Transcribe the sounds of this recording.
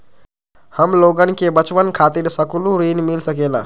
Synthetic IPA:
həmloːɡənkebət͡ʃʋənkʰat̪iɾsəkuluɾinmilsəkela̰

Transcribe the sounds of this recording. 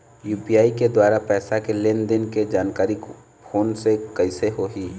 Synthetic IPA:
juːpiaːiked̪waːɾapɛːsakelend̪ɪnked͡ʒaːnkaːɾik | pʰoːnsekɐɪseɦoɦiː

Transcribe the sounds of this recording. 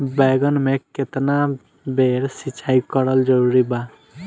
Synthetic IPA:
bɛɡənmeket̪na | beɾsit͡ʃʰajkɔɾəld͡ʒəɾuɾiba

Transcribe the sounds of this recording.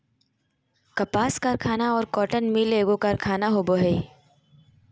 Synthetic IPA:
kɐpaːskɐɾkʰaːnaɔːɾkɔːʈənmileːɡõkɐɾkʰaːnaɦoːboɦɛi

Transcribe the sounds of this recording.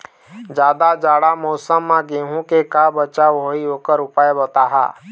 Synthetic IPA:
d͡ʒaːd̪ad͡ʒaːɽamɔːsəmːãɡẽːɦũkekaːbət͡ʃaoːioːkəɾʊpaːebot̪aɦa̰ː

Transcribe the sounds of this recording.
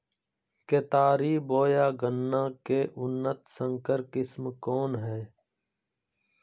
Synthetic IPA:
keːt̪aːɾiːboːjaːɡənːãːkeːʔʊnːət̪sə̃ŋkəɾkɪsmkoːnɦɛː

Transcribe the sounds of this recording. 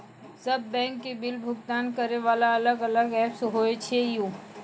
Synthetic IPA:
sɐbːɛ̃ːŋkːebɪlbʱʊɡt̪aːnkəɾeʋaːlaɐləɡɐləɡɛːpsɦoːet͡ʃʰejũː

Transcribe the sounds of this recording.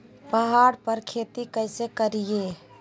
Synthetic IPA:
pəɦaɽpəɾkʰet̪ikəɪsekəɾije

